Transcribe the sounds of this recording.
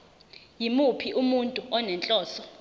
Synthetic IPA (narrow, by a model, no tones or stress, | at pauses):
jimupʰiʔumuntʼuʔɔnɛnt͡ɬʼɔːsɔ